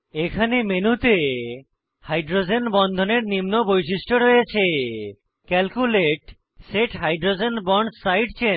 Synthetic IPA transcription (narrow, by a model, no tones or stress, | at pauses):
ekʰanemenut̪e | hajɖɾod͡ʑenbɔnd̪ʱoneɾnimnobojʃiʃʈoɾojet͡ɕʰe | kɛlkuleʈ | seʈɦajɖɾod͡ʑenbɔɳɖsajɖt͡ɕe